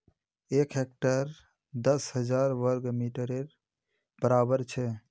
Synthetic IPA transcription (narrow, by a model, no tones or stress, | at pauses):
ekɦek̚ʈəɾ | d̪əsɦəd͡ʒaɾʋəɾɡmiʈəɾeɾ | b̥əɾabəɾt͡ʃʰɛ